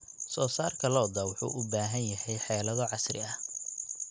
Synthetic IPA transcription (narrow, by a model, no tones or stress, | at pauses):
sɔːsaːrkʰɐlɔːd̪ɐwʊħṵːʔʊbaːɦɐnjɐɦɛjħɛːlɐðɔʕɑsrɪ̰ɐh